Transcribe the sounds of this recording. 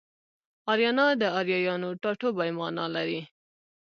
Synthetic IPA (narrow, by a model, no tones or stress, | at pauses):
ɑɾjɑnɑd̪əɑɾjɑjɑnoʈɑʈobajmɑnɑ̰laɾi